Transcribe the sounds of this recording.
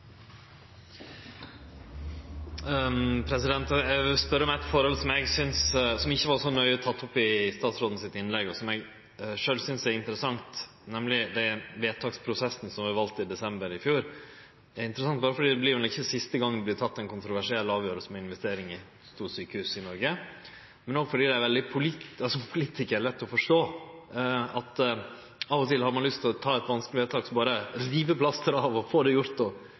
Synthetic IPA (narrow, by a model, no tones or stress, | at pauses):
pʰɾɛsɪd̪ɛnt̪ɛʋɪlspœɾːəɔmæɛt̪fɔɾhɔlsɔmɛɡsʏnssɔmɪçːəʋɑɾʂɔnœʏɔt̪ʰɑt̪ːɔpːɪst̪ɑːt̪sɾoːd̪n̩sɪt̪ɪnlɛɡɔsɔmɛɡ | ʂøːlsʏnsæɾɪnt̪əɾəsɑŋt̪ | nɛmlɪd̪ɛʋeːt̪ʰɑːkspʰɾʊsɛsnəsɔmʋɑʋɑlt̪ɪd̪ɛsɛmbəɾɪfjuːɾ | æɾɪnt̪əɾəsɑŋt̪bɑːɾəfɔɖiːd̪ɛblɪːɾʊnəɪçəsɪst̪əɡɑŋːblɪt̪ʰɑt̪ːɛnkʊnt̪ɾʊʋæʂɪɛlːɑːʋjøːɾəlsəmɛɪnʋɛst̪eːɾɪŋɪ | st̪uːsyːkəhʉːsɪnɔɾɡə | mɛnoːɡfɔɖiːd̪ɛæɾʋɛld̪ɪpʰʊlitɑsɔpʰʊliːt̪ʰɪkəæɭɛt̪ːɔfɔʂʈoː | ɑt̪ | ɑːʋɔt̪ʰɪlhɑɾmɑnlʏst̪ʰɪlɔt̪ʰɑːɛt̪ʋɑnsklɪʋeːt̪ʰɑːksɔbɑːɾəɾiːʋəpʰlɑst̪əɾɑʋɔfoːd̪ɛjʊɾt̪ɔ